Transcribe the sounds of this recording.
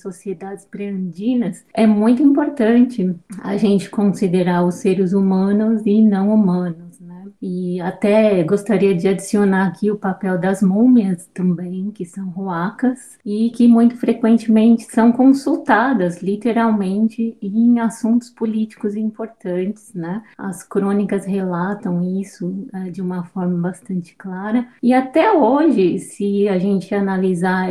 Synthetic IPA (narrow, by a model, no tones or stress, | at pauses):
sosied̪ad͡ʒɪspɾeɐ̃nd͡ʒĩnɐsɛmũj̃t̪ʊĩmpoɾt̪ɐ̃nt͡ʃɪa̰ʒẽnt͡ʃɪ̥kõsid̪eɾaʊseɾɪzumɐ̃nʊzɪnɐ̃w̃umɐ̃nʊznɛɪat̪ɛɡost̪aɾiɐd͡ʒɪad͡ʒisionaɾakʰiʊpapɛwd̪ɐzmũmiɐst̪ɐ̃mbẽj̃kɪsɐ̃w̃hoakɐs | ɪkɪmũj̃t̪ʊ̥fɾekwẽnt͡ʃɪmẽnt͡ʃɪ̥sɐ̃w̃kõsuwt̪ad̪ɐzlit̪eɾawmẽnt͡ʃɪẽj̃asũnt̪ʊ̥spolit͡ʃi̥kʊzĩpoɾt̪ɐ̃t͡ʃɪ̥z̥nɛɐ̰skɾõnikɐshelat̪ɐ̃w̃isʊɛd͡ʒɪũmɐfɔɾmɐbast̪ɐ̃nt͡ʃɪ̥klaɾɐɪat̪ɛoʒɪsɪaʒẽnt͡ʃɪanaliza